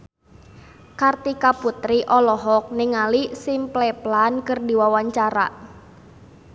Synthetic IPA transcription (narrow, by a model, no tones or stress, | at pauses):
kart̪ikaput̪ɾiʔɔlɔɦɔk̚niŋalisimplɛplankərdiwawaɲt͡ʃaɾa̰